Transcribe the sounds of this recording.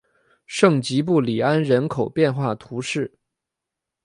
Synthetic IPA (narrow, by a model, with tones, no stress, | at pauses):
ʂɤ˥˩ŋt͡ɕi˧˥p̬u˥˩li˨˩a˥nɻə˧˥nkʰo˨˩ʊpjɛ˥˧nxwa˥˩t̪ʰu˧˥ʂɻ̩˥˩